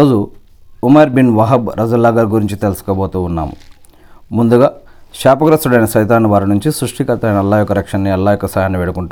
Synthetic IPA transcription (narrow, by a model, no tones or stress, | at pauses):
oːd͡ʒu | umɐɾbinʋɐɦɐbɾʔɐd͡ʒɐlːaːɡɐɾɡuɾiɲt͡ʃit̪elusu̥kɐboːt̪uːnːa̰ːmṵ | mund̪uɡaː | ʃaːpɐɡɾɐst̪uɽɐjnɐsɐjt̪aːnːiʋaːɾinuɲt͡ʃisɾuʂʈikɐlt̪ɐɐjnɐlːaːjɔkːɐɾɐkʂɐnːiɐlːaːjɔkːɐsaːjaːnːiʋeːɽukuɳʈa